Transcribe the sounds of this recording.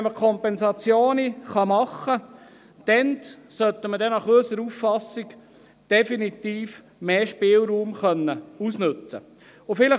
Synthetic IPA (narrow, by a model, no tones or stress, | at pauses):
ɛməkʰɔmpɛnsɑt͡sjoːniχɑmɑχːə | d̪̥ɛnt̪sœt̪ːəmədɛnɑχøsəɾufːɑsik | d̥ɛfinit̪iːf | meːʃpɪːlˠɾuːmχœnːəusnʉt͡sə | ʊfɪlə